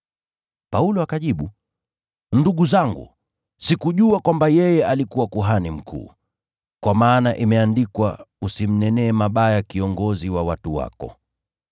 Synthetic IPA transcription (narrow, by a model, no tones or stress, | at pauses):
paulɔakaʄiɓu | nduɠuzaŋɡṵ | sikuʄuakwambajɛjɛalikuwakuɦanim̩kʰṵː | kwamaːnaʔimɛandikwa̰usim̩nɛnɛːmaɓajakiɔŋɡɔziwawatuwa̰kɔ̰